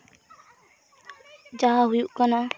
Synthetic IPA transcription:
d͡ʒaɦaɦujuʔkana

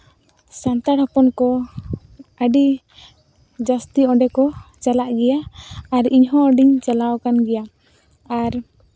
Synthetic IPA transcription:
sant̪aɽhɔpɔnkɔ | əɖi | d͡ʒəst̪iɔ̃ɖɛkɔt͡ʃalaʔɡɛjaːɾiɲɦɔ̃əɖiɲt͡ʃalawkanɡɛja | aɾ

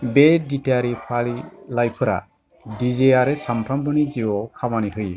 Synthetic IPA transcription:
beditaɾipʰalilajpʰɯɾa̰ | dizeaɾesampʰɾambɯniziɔkʰamaniɦɯj

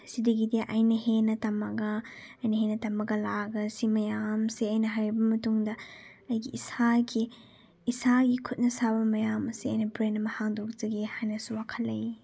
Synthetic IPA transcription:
sidɐɡidiaʔɐjnɐhenɐtɐmɐɡɐ | ɐjnɐɦenɐtɐmɐɡɐlaɡɐsimɐjamseɐjnɐɦɐɾebɐmɐtuŋdɐ | ɐjɡiisaɡiː | saɡikʰut̚nɐsabɐmɐjamɐsiɐ̰jnɐbɾenɐmɐhaŋdokzɐɡehajnɐsuwakʰɐlɐj

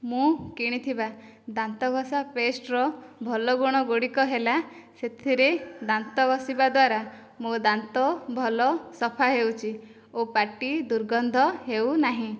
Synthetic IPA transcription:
mũkiɽ̃it̪ʰiba | d̪ant̪ɔɡʱɔsapesʈɾɔbʱɔlɔɡuɽ̃ɔɡoɽikɔɦelaset̪ʰiɾed̪ant̪ɔɡɔsibad̪waɾa | mũd̪ant̪ɔbʱɔlɔsɔpʰaɦewt͡ʃʰi | opaʈid̪uɾɡɔnd̪ʱɔɦewnaɦĩ

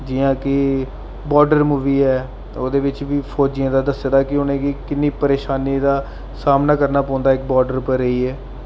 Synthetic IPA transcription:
d͡ʒɪːãːkɪ | bɔːɾɖəɾmuːʋiːɛː | oːd̪eːʋɪt͡ʃʋiːpʰoːd͡ʒɪãːd̪aːd̪əseːd̪aːkɪʊnẽːkɪkɪnːiːpəɾeːʃaːniːd̪aː | saːmnaːkəɾnaːpɔ̃ːnd̪aːɪkbɔːɾɖəɾpəɾːəiːɛː

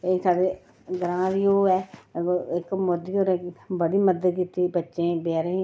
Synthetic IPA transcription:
eːsaːɽeː | ɡəɾãːɾiːoːɛːoɪkmod̪ioːɾɛːkbəɽiːməd̪kiːt̪iːbətːʃẽːbɛːɾeː

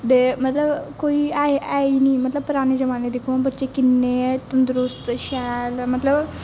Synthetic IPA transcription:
d̪emɐt̪ləbkoːiaɦeʔainimɐt̪ləb̚pɾaːñed͡ʒɐmaːned̪ekʰõbɐt̪ːt͡ʃekɪnːet̪ənd̪ɾust̪ʃɛːlmɐt̪ləb

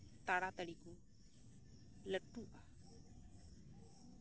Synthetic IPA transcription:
t̪aɾat̪əɽiku | ləʈːuʔa

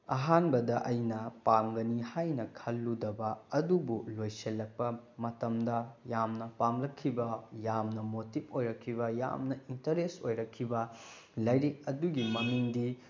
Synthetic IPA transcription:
ɐɦanbɐdɐʔɐjnɐpamɡɐnihajnɐkʰɐlːudɐbɐɐdubulojselːɐk̚pɐmɐtɐmdɐjamnɐpamlɐkʰːibɐjamnɐmotipʰojɾɐkʰːibɐja̰mnɐintɐɾesojɾɐkʰːibɐ | lɐjɾik̚ɐduɡimɐmiŋdi

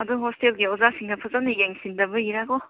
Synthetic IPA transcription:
ɐduɦostelɡiozasiŋnɐpʰɐzanɐjeŋsindɐbɐjiɾaɡo

